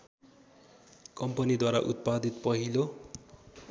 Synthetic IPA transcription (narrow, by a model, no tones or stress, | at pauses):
kʌmpʌnid̪waɾaʔut̪̚pad̪it̪pʌɦilo